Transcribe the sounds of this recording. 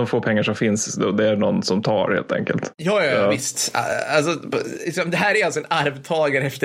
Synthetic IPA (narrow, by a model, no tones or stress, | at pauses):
ɔmfoːpʰɛŋːaʂɔmfɪnsd̪ɛd̪ɛæɳɔnːsɔmt̪ʰɑ̰ːɾhḛːlt̪ʰɛ̰ŋkə̰lt̪jɑːjɑɪst̪a̰als̬ɔlɪksɔmd̪ɛɦæːɾæɾalsɔɛnaɾvt̪ʰɑːɡaɾɛft̪ə